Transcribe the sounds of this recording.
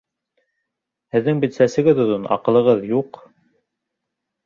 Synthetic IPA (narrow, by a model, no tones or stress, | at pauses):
hɘ̆ðːɘŋbit̪sæsɘ̆ɡɘðŏðonɑ̰qɤ̆lˠɤ̆ʁɤðjuq